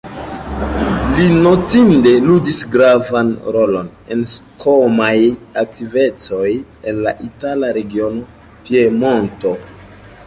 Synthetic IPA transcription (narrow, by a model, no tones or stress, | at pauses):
lino̞tinde̞ludisɡɾavanɾo̞lo̞n | e̞nskomajak̚tive̞t͡so̞je̞nla̰ʔitalaɾe̞ɡio̞no̞ | pje̞mo̞nto̞